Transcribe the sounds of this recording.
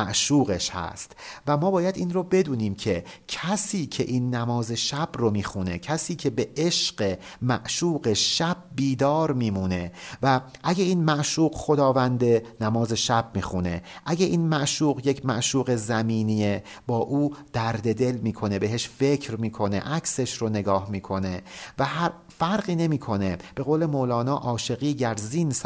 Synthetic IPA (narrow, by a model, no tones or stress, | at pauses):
æʔʃuːɣe̞ʃhæ̰st̪væmɒːbɒːjæd̪ʔiːnrobe̞d̪uːniːmcʰe̞cʰæsiːcʰe̞ʔiːnːæmɒːze̞ʃæb̥romiːxune̞cʰæsiːcʰe̞be̞ʔeʃɢe | mæʔʃuːɢe̞ʃæb̥̚ːiːd̪ɒːɾmiːmuːne̞væʔæɟeiːnmæʔʃuːqxo̞d̪ɒːvænd̪enæmɒːze̞ʃæbmiːxune̞̰ʔæɟeʔiːnmæʔʃuːqjecʰmæʔʃuːɣe̞zæmiːnijeb̥ɒːʔuːd̪̥æɾd̪e̞d̪e̞lmiːkʰo̞ne̞beɦeʃfe̞cʰɾmiːkʰo̞ne̞̰ʔæcʰse̞ʃɾone̞ɡɒːhmiːkʰo̞ne̞væhɾ | fæɾɢiːne̞miːkʰo̞neb̥e̞ɣo̞ːle̞moːlɒːnɒːʔɒːʃe̞ɣiːɟæɾziːns